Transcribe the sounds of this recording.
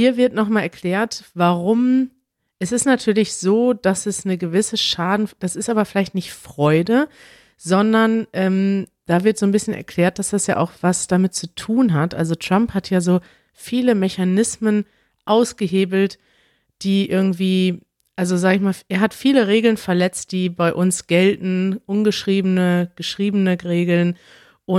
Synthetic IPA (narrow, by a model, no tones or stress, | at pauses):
hiːɐvɪɐtnɔχmaːlɛɐkʰl̥ɛːɐtv̥aʁʊm | ʔɛsɪstnatʰyːɐlɪçz̥oːd̥asɛsnəɡəvɪsəʃaːdn̩d̥asɪstʔaːbɐfɪlaɪçtnɪçtfʁ̥ɔʏdə | zɔndɐnʔɛːmd̥aːvɪɐtz̥oːnbɪsçənʔɛ̰ɐkʰl̥ɛːɐt̚d̥asd̥asja̰ːʔa̰ʊxv̥asd̥amɪt̚t͡sutʰuːnɦatʔalzotʁ̥amphatʰjaːzoː | fiːləmɛçanɪsmən | ʔaʊsɡ̥əɦeːbl̩t | d̥iːʔɪɐɡŋ̩tv̥iː | ʔalzozaːɡəɪçmaːlʔeːɐɦatfiːləʁeːɡl̩nfɛɐlɛt͡st̚d̥iːbaɪʔʊnsɡ̥ɛltn̩ʔʊnɡəʃʁ̥iːbənəɡ̥əʃʁ̥iːbənəʁeːɡl̩n | ʔʊ